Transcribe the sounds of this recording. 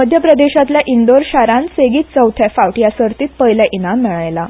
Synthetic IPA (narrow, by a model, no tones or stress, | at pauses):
məd̪ʱjəpɾəd̪eɕat̪ljaʔind̪oɾɕaɾãnseɡiːt̪̚t͡səwt̪ʰjafawʈjasəɾt̪iːt̪̚pəɦjljaʔinamːiɭajla